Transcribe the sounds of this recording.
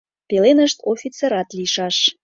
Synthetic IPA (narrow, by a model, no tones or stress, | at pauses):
pelenəʃt̪ofʲit͡seɾɑt̪liʃɑʃ